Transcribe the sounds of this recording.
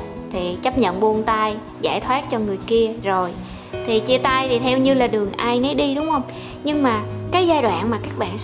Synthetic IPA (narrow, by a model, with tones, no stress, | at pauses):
t̪ʰi˨˩t͡ɕə˦˥p̚ɲə̰˧˨nɓu˧ənt̪aː˧j | zaː˧˩jt̪ʰwaː˦˥t̚t͡ɕɔ˧ŋɨ˨˩əjki˧əzo˨˩j | t̪ʰi˨˩t͡ɕi˧ət̪aː˧jt̪ʰi˨˩t̪ʰɛ˧wɲɨ˧laː˨˩ɗɨ˨˩əŋʔaː˧jne˨˦ɗi˧ɗʊ˨˦wŋ͡mhə˧wŋ͡m | ɲɨ˧ŋmaː˨˩kaː˨˦jzaː˧jɗwa̰ː˧˨nmaː˨˩kaː˦˥k̚ɓa̰ː˧˨n